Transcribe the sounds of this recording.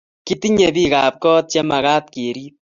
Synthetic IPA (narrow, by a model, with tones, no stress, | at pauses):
ki˦ti˦ɲe˨bi˦ka˨p̚kɔ˦t̚t͡ʃe˦ma˨ka˦t̚ke˨ɾiː˦t